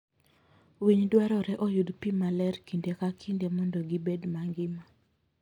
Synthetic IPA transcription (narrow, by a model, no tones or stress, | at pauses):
wiɲdwaɾɔɾɛʔɔjudpimalɛrkindekakʰindemɔndɔɡibedmaŋɡɪma